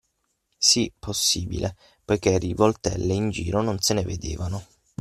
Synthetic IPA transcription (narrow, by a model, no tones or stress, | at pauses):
sipʰosːiːbḭlʔe | pojk̟erivolt̪ɛ̰lːeind͡ʒḭːɾononseneved̪ḛːvano